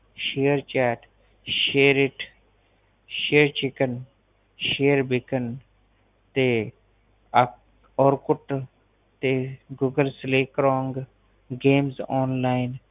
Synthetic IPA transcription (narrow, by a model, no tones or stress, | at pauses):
ʃeːəɾt͡ʃaːʈ | ʃeːɾɪʈʰ | ʃeːɾt͡ʃɪkən | ʃeːəɾbɪkən | t̪e | ɔːɾkʊʈ | t̪eɡuːɡəlsleːkɾoːŋɡ | ɡeːmzɔːnlaːɪn